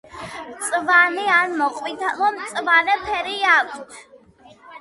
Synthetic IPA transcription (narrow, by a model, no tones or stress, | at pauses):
mt̪sʼvanianmɔqʼvit̪ʰalɔmt̪sʼvanɛpʰɛɾiakʷʼt̪ʰ